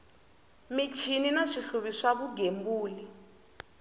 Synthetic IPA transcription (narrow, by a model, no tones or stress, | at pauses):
mit͡ʃʰininaʂiɬuβiʂaβuɡembuːli